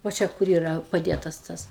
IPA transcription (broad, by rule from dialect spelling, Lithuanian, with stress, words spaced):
ʋoː ˈt͡ʃʲɛ kʊr ˈiːrɐ pɐˈdʲeːtɐs ˈtɐs